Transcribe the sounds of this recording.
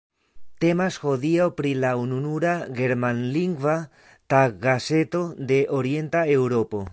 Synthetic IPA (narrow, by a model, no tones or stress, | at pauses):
t̪emasxoðiopɾilaununuɾaɣeɾmãnliŋɡwa | t̪aɣaset̪od̪eʔoɾjent̪aewɾopo